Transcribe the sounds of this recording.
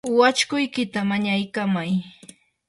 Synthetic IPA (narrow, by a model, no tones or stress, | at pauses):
wat͡ʃkʊjkɪt̪amaɲajkamaj